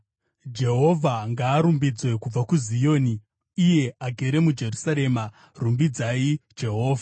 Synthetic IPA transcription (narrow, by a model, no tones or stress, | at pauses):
d͡ʒe̞ɦo̞vʱaŋɡaːɾumbid͡zwe̞kub͡vakuzijo̞ːniː | je̞aɡʱe̞ɾe̞mud͡ʒe̞rusaɾe̞ːma | rumbid͡zaid͡ʒe̞ɦo̞ːva